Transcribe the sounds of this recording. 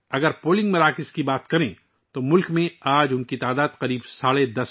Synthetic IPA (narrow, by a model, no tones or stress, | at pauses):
ɐɡəɾpoːlɪ̃ŋɡmɐɾaːkɪskibaːt̪kɐɾẽ | t̪omʊlkmẽaːd͡ʒʊnkit̪aːd̪aːd̪qɐɾiːbsaːɭed̪ɐs